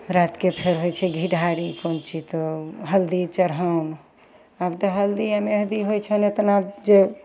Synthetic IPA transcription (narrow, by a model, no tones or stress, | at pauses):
ɾat̪kepʰeɾɦojt͡ʃʰɛɡʱiɖaɽikont͡ʃʰit̪ɔɦəld̪it͡ʃəɾɦaun | abt̪ɔɦəld̪iameɦd̪iɦojt͡ʃʰɛnot̪nabd͡ʒe